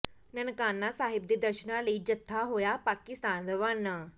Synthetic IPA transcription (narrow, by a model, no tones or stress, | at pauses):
nənkanːasaɦib̚d̪id̪əɾɕənaliːd͡ʑət̪ʰːaɦojapakist̪and͡zəʋanːa